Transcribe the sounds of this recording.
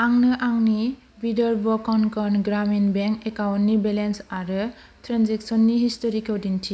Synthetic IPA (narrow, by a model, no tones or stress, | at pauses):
aŋnɯʔaŋni | bidɔɾbɔkɔnkʰɔnɡɾaminbeŋkekawnːibelensaɾɯ | tʰɾanzeksɔnːihistɔɾikʰɔwdintʰi